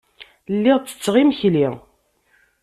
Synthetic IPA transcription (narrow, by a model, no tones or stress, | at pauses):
lːiʁt͡sːə̥t͡sːʁimçli